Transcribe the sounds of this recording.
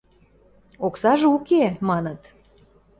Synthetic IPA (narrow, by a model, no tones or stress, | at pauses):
oksɑʒɤukemɑnə̆t̪